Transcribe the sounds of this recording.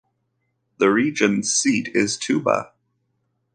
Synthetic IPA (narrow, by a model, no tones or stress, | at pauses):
ðɨɹid͡ʒɨ̃n̥siɾɪz̥tʰʉbə̰